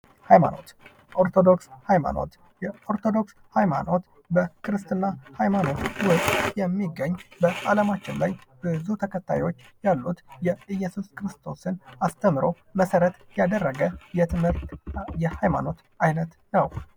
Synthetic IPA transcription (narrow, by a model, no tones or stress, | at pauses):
hajma̰no̞̰t̪ | ʔoɾt̪ʰo̞d̪o̞kshajma̰no̞̰t̪ | jɛo̞ɾt̪ʰo̞d̪o̞ks | hajma̰no̞t̪ | bəkʰɨɾɨst̪ʰɨnːahajmano̞t̪wʊkʼjɛmːiɡəɲːbəʔaləmat͡ʃːɪnla̰jːb̥ɨzut̪ʰəkʰət̪ʰːa̰jwo̞t͡ʃː | jalːut̪jɛɨjːɛsuskɾɨst̪ʰo̞sɨnast̪ʰəmɨɾo̞ | məsəɾət̪ | jad̪ərːəɡəjɛt̪ʰɨmhɨɾt̪jɛhajma̰no̞t̪ | ajnət̪ | nəw